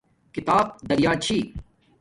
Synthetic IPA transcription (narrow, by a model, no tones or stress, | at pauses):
kɪt̪aːb̚d̪ɐɾjaːt͡ʃʰiː